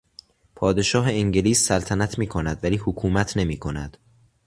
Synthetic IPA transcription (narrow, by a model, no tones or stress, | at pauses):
pʰɒːd̪e̞ʃɒːɦeiŋɟeliːsːælt̪ʰænæt̪ʰmiːkʰo̞næd̪væliːhokʰuːmæt̪ʰne̞miːkʰo̞næ̰d̪̥